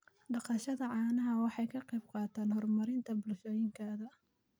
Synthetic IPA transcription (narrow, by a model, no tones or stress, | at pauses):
ɖɑqɑʃɐðɐʕɑːnɐɦɐwɑħɑjkʰɐqɑjb̚qɑːt̪ʰaːnhɔrmɐɾɪnt̪ʰɐbʊlʃɔːjɪŋkʰaːðɐ